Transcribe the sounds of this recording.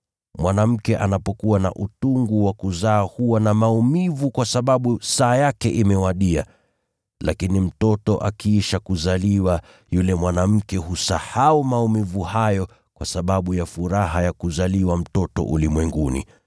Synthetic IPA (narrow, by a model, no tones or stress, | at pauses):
mwʔanam̩kɛʔanapɔkuwana̰ʔutuŋɡuwakuzaːhuwanamaumivukwasaɓaɓusaːjakɛʔimɛwaɗia̰ | lakinim̩tɔtɔʔakiːʃakuzaliwa | julɛmwanam̩kɛhusahaumaumivuhajɔ | kwasaɓaɓujafuɾaɦajakuzaliwam̩tɔtɔ̰ʔṵlimwɛŋɡunḭ